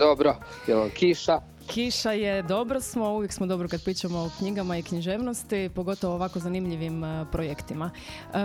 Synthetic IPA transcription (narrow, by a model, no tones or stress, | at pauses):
d̪obɾo | jelokʰiʃa | kʰiʃaje̞d̪o̞bɾosmo̞uʋjeksmod̪o̞bɾokad̪pɾiːt͡ʃamoːkɲiɡamaikɲiʒeːʋnost̪ipo̞ɡo̞t̪oʋoːʋakozanimʎiʋimpɾojekt̪ima